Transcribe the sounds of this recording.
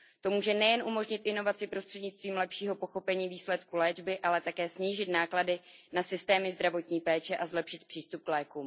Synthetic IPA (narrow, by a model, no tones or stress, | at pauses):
t̪o̞muːʒɛnɛjɛnʔumo̞ʒɲɪt̪ʔɪno̞vat͡sɪpɾo̞st̪r̥ɛdɲɪt͡st̪viːmlɛpʃiːɦo̞po̞xo̞pɛɲiːviːslɛt̪kulɛːd͡ʒbɪʔalɛt̪akɛːsɲiːʒɪt̪naːkladɪnasɪst̪ɛːmɪzd̪ɾavo̞t̪ɲiːpɛːt͡ʃɛʔazlɛpʃɪt̪̚pr̥iːst̪up̚klɛːkuːm